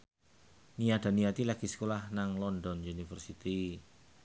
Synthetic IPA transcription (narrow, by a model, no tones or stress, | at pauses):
nijad̥̪a̤nijat̪ilaɡ̥i̤sə̥kolahnaŋlɔnd̪ɔnunifərsit̪i